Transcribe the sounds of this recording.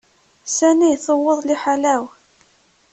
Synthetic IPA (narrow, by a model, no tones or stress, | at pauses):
sænijθəwːəðˤliħalæw